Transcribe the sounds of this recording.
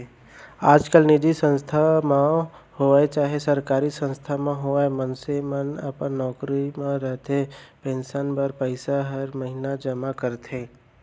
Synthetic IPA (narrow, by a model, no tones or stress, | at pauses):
aːd͡ʒkəlnɪd̪isə̃nst̪ʰamã | hoːet͡ʃaːɦesəɾkaːɾisə̃nst̪ʰamãɦoamənsemənə̰pənːɔːkɾimãɾəɦt̪ʰepẽnʃənbəɾpəɪsaɦəɾməɦinad͡ʒəmakəɾt̪ʰẽː